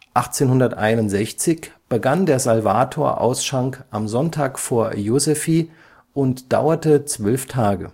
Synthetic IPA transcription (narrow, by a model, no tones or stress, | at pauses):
ʔaχt͡seːnɦʊndɐtʔa̰ɪnʊntz̥ɛçt͡sɪçb̥əɡandeːɐzalva̰ːtʰoːɐʔa̰ʊsʃʁ̥aŋkʔamzɔntʰaːkfoːɐjozefiː | ʔʊntd̥a̰ʊɐtət͡sv̥œlftʰaːɡə̰